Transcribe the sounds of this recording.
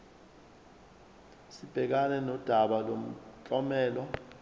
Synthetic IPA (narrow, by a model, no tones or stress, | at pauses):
sib̥ʱɛk̬anɛnɔd̥ʱaɓalom̩t͡ɬʼɔmɛːlɔ